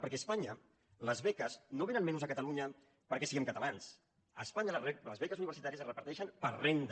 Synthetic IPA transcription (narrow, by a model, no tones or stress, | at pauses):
pəɾkɛəspaɲə | ləzβɛkəznoβenənmɛnuzəkət̪əluɲə | pəɾkɛsiɣɛmkət̪alans | əspaɲələzβɛkəzuniβ̞əɾsit̪aɾiəsrəpəɾt̪ɛʃənpəɾrend̪